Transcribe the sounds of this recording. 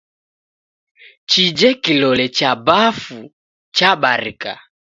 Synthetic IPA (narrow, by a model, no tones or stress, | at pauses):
t͡ʃid͡ʒɛkilɔlɛt͡ʃabafu | t͡ʃaɓaɾika̰